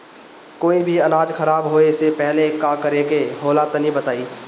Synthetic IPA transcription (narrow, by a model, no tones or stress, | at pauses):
koːibʱiɐnaːd͡ʒxɐɾaːbɦoːesepɛɦlekakəɾekeɦoːlat̪ənibɐt̪aːiː